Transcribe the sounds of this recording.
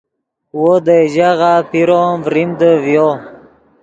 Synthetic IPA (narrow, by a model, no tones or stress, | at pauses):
wod̪əd͡ʑaʁapiɾovɾimd̪əvjo